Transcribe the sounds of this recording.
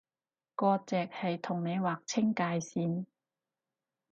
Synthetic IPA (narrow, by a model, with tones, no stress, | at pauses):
kɔː˧t͡sɛː˨k̚hɐ˨jt̪ʰʊ˨˩ŋne˨˧jwaː˨k̚t͡sʰɪ˥ŋkaː˧jsiː˨˧n